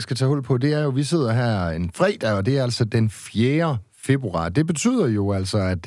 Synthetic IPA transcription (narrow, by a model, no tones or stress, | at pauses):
sɡ̥æt͡sʰɛ̰ːhɔ̽l̰pʰɒ̽d̥e̝æɐjo̝ʋise̝ð̞̰ˠɐɦæɐ̰e̝nfʁɛ̰ːd̥æɒ̽d̥e̝æɐæl̰sɒ̽d̥enfjeːɐ | fe̝b̥uɑ̰̈ːd̥e̝b̥e̝t͡sʰy̰ːð̞̰ˠɐjo̝æl̰sɒ̽æd̥